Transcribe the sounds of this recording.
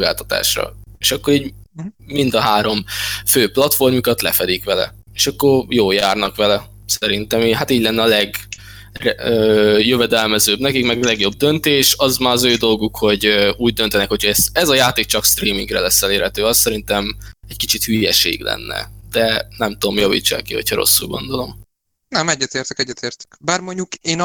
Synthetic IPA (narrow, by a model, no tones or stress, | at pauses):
oɡaːlt̪ɒ̥t̪a̰ːʃrɒ̰eʃɒkːo̞ɾiːɟmind̪ɒɦaːɾo̞mføːplɒt̪fo̞rmukɒt̪lɛfɛd̪ikʋɛlɛ̰ | eːʃɒkːo̞rjoːljaːrnɒkʋɛlɛ | sɛɾint̪ɛmiɦat̪iːɟlɛnːɛɒlɛɡ | røːjøvɛd̪ɛlmɛzøːbnɛkikmɛɡɒlɛɡjo̞bd̪ønt̪eːʃɒzmaːɾɒzøːd̪o̞lɡukho̞ɟøuːɟ̚d̪ønt̪ɛnɛkho̞cʰhɒɛsɛzɒjaːt̪eːk̚t͡ʃɒkst̪riːmiŋɡrɛlɛsːɛleːɾhɛt̪øːɒsːɛɾint̪ɛmɛckit͡ʃit̪hyːjɛʃḛːɡlɛ̰nːɛ̰d̪̥ɛnɛmt̪uomjɒvḭːt͡ʃːa̰ːkːihocʰhɒɾo̞̰sːṵlɡo̞̰nd̪o̞lo̞m | nɛmɛɟːɛt̪eːrt̪ɛkɛɟːɛt̪eːrt̪ɛ̥kbaːrmoɲɟukeːn